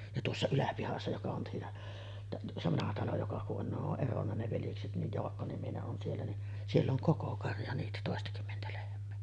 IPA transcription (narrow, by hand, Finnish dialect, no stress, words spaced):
jɑ tuosːɑ ylæpihɑsːɑ jokɑ on siːnæ tæʔ se ʋɑnɑhɑ tɑlo jokɑ kuʔ ʔon ne oʔ ʔeronːɑ ne ʋeljekset nij joɑkːonimineʔ ʔon sielːæ ni sielː oŋ koko kɑrjɑ niːtæ toˑestɑkymːentæ lehmˑeː